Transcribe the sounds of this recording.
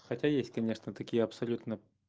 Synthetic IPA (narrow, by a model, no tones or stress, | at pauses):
xɐtʲajesʲtʲkɐnʲeʂnət̪ɐkʲijəɐpsɐlʲut̪nə